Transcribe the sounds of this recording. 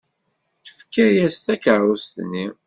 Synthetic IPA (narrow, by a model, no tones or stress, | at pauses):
θə̥fkːəɾjæst̪ækəɾust̪nːi